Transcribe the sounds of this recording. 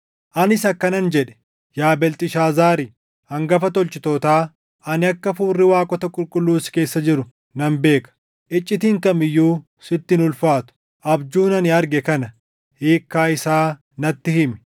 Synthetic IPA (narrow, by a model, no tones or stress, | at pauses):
ʔɐnɪsɐkːɐnɐnd͡ʒɛᶑɛ̥ | jaːbɛlt̪ʼɪʃaːzaːɾɪ | hɐŋɡɐfɐt̪ɔlt͡ʃɪt̪ɔːt̪aː | ʔɐnɪɐkːɐfuːrːɪwaːkʼɔt̪ɐkʼʊlkʼʊlːuːsɪ̥ke̞ːsːɐd͡ʒɪɾʊ | nɐmbe̞ːkɐ̥ | ʔɪt͡ʃʼːɪt̪iːŋkɐmɪjːuː | sɪt̪ːɪnʊlfaːt̪ʊ̥ | ʔɐbd͡ʒuːnɐnɪɐɾɡɛkɐnɐ | heːkːaːɪsaː | nɐt̪ːɪhɪmɛ̥